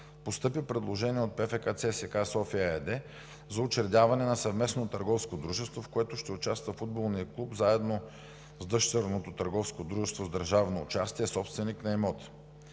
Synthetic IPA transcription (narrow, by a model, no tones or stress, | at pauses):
post̪ɤpipɾɛd̪lˠoʒɛniɛot̪̚pɛfɛkat̪sɛsɛkasɔfiəɛd̪ɛ | zɐʊt͡ʃɾɛd̪ʲavɐnɛnɐsɐvmɛsnot̪əɾɡɔfskod̪ɾuʒɛst̪vofkoɛt̪ʊʃt̪ɛʊt͡ʃast̪vɐfud̪̚bolˠniəklˠupzaɛd̪no | zd̪ɤʃt̪ɛɾnot̪ot̪ɐɾɡɔfskod̪ɾuʒɛst̪vozd̪əɾʒavno̰ːt͡ʃast̪iɛsɔpst̪vɛniknɐɛmɔt̪